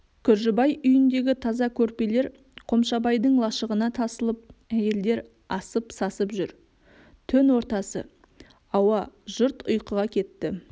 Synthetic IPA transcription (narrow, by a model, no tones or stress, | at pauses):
kʲʰʏɾʒɪbɑjʏjʏnd̪e̞ɡʲɪt̪ʰɑzɑkʲʰɵɾpe̞le̞ɾ | qʰo̞mʃɑbɑjd̪əɴlˠɑʃəʁənɑt̪ʰɑsəlˠəp̚æje̞ld̪e̞ɾ | ɑsəpsɑsəpʒʏɾ | t̪ʰɵnwo̞ɾt̪ɑsə̰ | ɑwɑʒʊɾt̪ʊ̰jqəʁɑkʲʰe̞t̪ːɪ